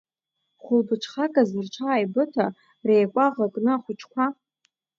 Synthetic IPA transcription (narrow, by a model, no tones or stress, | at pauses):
χʷʊlbɨʈ͡ʂʰχakʼazɨrt͡ʃʷʰaːjbɨtʰa | rejkʷʼaʁakʼnɨaχʷʊt͡ʃʰkʷʰa